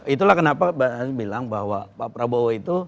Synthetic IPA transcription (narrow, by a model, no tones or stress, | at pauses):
it̪ulahkənapabaabilaŋbaɦwapapɾabowait̪u